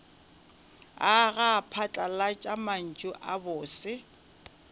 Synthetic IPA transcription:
aɣapʰat͡ɬʼalat͡ʃʼaman̩t͡ʃʼʊʔabʊːsɪ

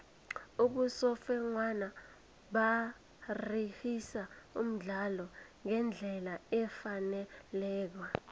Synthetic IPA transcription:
uɓusɔfɛŋwana | ɓa | rihisaṵm̩ɮalɔŋɛnd͡ɮʱɛlaɛfanɛlɛːk̬wa

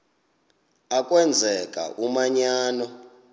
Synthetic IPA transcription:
akʼwɛnd͡zʱɛkʼa̰ʔumaɲaːnɔ

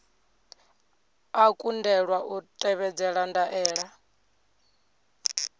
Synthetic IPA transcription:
akʼundɛɺwaʔutʼɛβɛd͡zɛɺandaʔɛːɺa

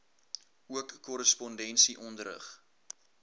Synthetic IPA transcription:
uəkːɔɾəspɔndɛnsiʔɔndəɾə̰χ

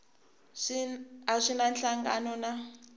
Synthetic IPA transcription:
aʂʷinanɬaŋɡa̰nɔna

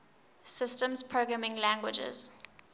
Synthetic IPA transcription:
sɪstə̃mzpʰɹoɡɹamɪ̃ŋlæ̃ŋɡwɪd͡ʒɪ̰z̥

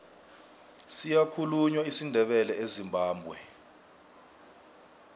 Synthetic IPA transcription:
sijakʰuluɲwaisindʱɛɓɛlɛezimbʱaːmbʱwɛ

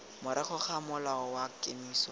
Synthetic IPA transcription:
mʊɾɪχʊχamʊlaɔwakʼemiːsɔ

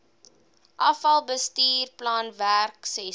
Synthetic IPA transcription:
ʔɐfɐlˠbəstiːrplɑːnværksɛ

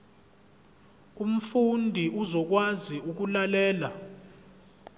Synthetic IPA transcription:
um̩fundʱiʔuzɔk̬waziuk̬ulalɛːla

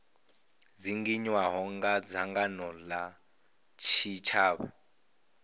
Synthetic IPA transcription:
d͡ziŋɡiɲwaɦɔŋɡad͡zaŋɡanɔla | t͡ʃʰit͡ʃʰaːβa̰

